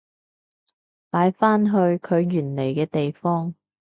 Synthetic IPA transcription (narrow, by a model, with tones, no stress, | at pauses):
paː˨˥jfaː˥nɦɵ˧ɥkʰɵ˨˧ɥjyː˨˩nle˨˩jkɛː˧t̪e˨jfɔː˥ŋ